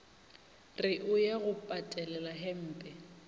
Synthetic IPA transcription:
rɪʔʊjaɣʊpʼatʼɛlɛlaɦɛm̩ːpʼɛ

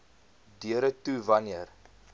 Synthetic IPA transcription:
dyəɾətuvɐniər

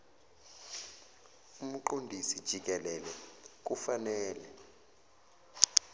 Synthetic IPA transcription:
um̩ǃondʱisid̥ʒ̥ʱik̬ʼɛlɛlɛk̬ufanɛːlɛ

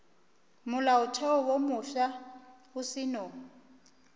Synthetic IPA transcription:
mʊlaʊtʰɛɔwomʊfa | ʊsɪno

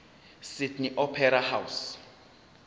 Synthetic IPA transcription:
sidniʔɔpʰɛɾahaws

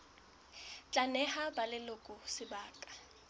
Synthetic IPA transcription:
t͡ɬʼanɛhabalɪlʊkʼʊsɪbaːkʼḁ

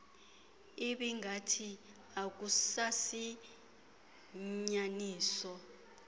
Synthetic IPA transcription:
iɓiŋʱatʰi | ak̬usasi | ɲaniːsɔ

